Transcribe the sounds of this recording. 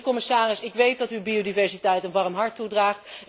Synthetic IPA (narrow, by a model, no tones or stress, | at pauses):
kɔmɪsaːrɪsɪkʋejt̚dɑtywbiodivɛɹsitɛjtənʋɑrmɦɑɹtːudraːχt